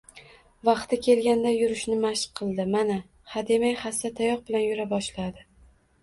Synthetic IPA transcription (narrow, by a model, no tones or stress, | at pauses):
vɑqt̪ʰɪkʲe̞lɡʲand̪ajʊɾɪʃnɪmaʃqqʰːɨlˠd̪ɪmana | had̪e̞majhast̪at̪ʰajɒq̚bɪlanjʊɾabɒʃlad̪ɪ